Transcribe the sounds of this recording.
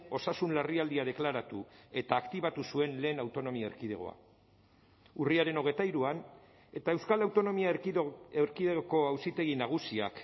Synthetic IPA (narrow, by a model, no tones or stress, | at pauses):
o̞sasunlariald̪iað̞e̞klaɾat̪ue̞t̪aːkt̪iβ̞at̪usue̞nle̞ːnawt̪o̞no̞miaeɾkiðe̞ɣ̞o̞̰a̰ | uriaɾe̞no̞ɣ̞e̞t̪aiɾuan | e̞t̪ae̞wskalawt̪o̞no̞miaeɾkiðeɣoko̞awsit̪e̞ɣinaɣ̞usia̰k